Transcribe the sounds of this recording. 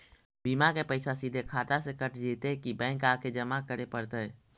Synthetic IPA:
biːmakepəɪsasiːd̪ʱekʰaːt̪asekəʈʰd͡ʒiːt̪eɦkibɛ̃ːŋkaːked͡ʒɐmakəɾepəɽt̪aɦɛː

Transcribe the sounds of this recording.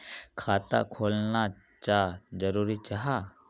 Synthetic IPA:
kʰaːt̪a̰kʰoːlna | t͡ʃaːd͡ʒəɾuːɾit͡ʃaɦaː

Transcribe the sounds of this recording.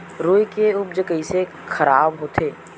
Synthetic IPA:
ɾoːikeʊb̚d͡ʒəkəise | xʰɐɾaːbɦoːt̪ʰeː

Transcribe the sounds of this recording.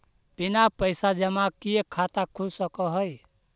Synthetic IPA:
pinapəɪsad͡ʒəmakiekʰat̪akʰulsəkɔɦɔj

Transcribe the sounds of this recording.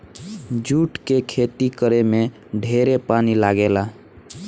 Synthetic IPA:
d͡ʒuʈkekʰet̪ikəɾeme | ɖʱeɾepanilaɡela

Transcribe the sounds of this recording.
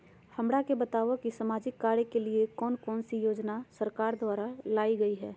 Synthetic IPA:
hɐmɽakebɐt̪aːʋokisaːmaːd͡ʒɪkːaːɾekeliekɔːnkɔːnsijoːd͡ʒnasɐɾkaːɾd̪waːɾalaːiɡɐiɦɛː

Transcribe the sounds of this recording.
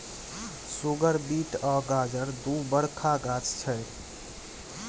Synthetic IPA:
suɡəɾbiʈɔɡad͡ʒəɾd̪ubəɽkʰaɡat͡ʃt͡ʃʰəj

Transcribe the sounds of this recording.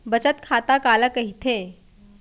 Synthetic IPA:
bət͡ɕət̪kʰat̪akalakəɦit̪ʰe

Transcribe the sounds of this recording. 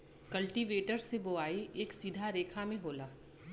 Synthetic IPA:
kɐlʈiʋeːʈəɾseboaːieːksiːd̪ʱaɾeːkʰamẽɦoːlaː

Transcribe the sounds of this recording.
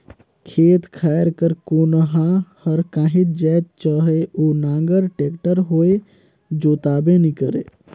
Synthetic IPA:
kʰet̪kʰaɾkəɾkonəɦãhəɾkãːɦit̪̚d͡ʒɛt̪̚t͡ʃəɦeʔonãŋɡəɾʈekʈəɾɦoe | d͡ʒot̪abenikəɾḛ

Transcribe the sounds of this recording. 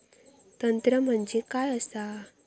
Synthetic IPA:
t̪ənt̪ɾəm̤əɳd͡ʑekajəsa

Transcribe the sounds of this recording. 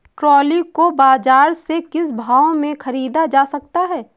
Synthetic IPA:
ʈɾɔːlikobaːd͡ʒaːɾsekɪsbʱaːõmẽxʰɐɾiːd̪ad͡ʒaːsɐk̚t̪aɦɛː

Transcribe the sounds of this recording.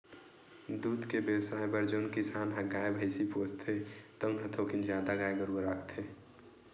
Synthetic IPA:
d̪uːd̪kebjəwsaːjbəɾd͡ʒoːnkɪsaːnɦəɡaːebʱəɪsipoːst̪ʰet̪ɔʊnɦə̃t̪ʰoːkind͡ʒjaːd̪aɡaːjɡəɾuɾakʰt̪ʰeː

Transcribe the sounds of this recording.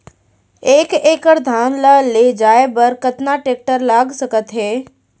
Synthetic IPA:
eːkeːkəɾd̪ʱaːnləleːd͡ʒaːebəɾkət̪naʈeːk̚ʈəɾlaːɡsəkət̪ɦɛː

